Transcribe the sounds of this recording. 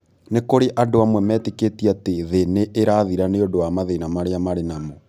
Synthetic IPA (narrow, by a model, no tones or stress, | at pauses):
nekoɾeʔandoamwɛmɛteketiateðeneʔːɾaðiɾaneondowamaðenamaɾeamaɾenamo